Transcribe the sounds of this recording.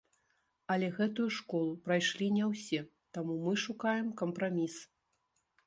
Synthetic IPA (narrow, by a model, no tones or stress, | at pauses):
ɐlʲɛɣɛt̪ujuʂkɔlˠupɾajʂlʲinʲɛwsʲɛ | t̪amumɨʂukajɛmkɐmpɾamʲis